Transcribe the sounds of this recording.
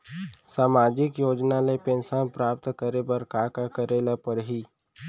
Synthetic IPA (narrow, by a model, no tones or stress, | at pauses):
saːmaːd͡ʒɪkjoːd͡ʒnalepẽnsanpɾaːpt̪kəɾebəɾkaːkakəɾeːlapəɾɦiː